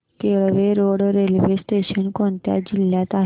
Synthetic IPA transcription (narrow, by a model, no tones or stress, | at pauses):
keɭʋeɾoɽɾelʋesʈeɕənkoɳt̪ja̰d͡ʑilːjãt̪a